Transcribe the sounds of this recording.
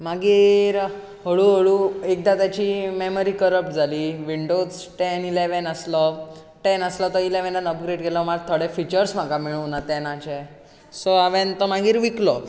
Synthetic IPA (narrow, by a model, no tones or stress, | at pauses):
maɡiːɾ | ɦəɭuɦəɭuek̚d̪at̪at͡ɕimeməɾiːkəɾəp̚ʈd͡zʱaliːʋiɳɖoz | ʈɛnileʋɛnəslɔ | ʈɛnəslɔt̪ɔileʋɛ̃nãnəpɡɾeɽɡelɔmaɡ̚t̪ʰoɽɛfit͡ɕəɾsm̤akamiɭunat̪ɛnat͡ɕɛ | sɔaʋɛ̃nt̪ɔmaɡiːɾʋiklɔ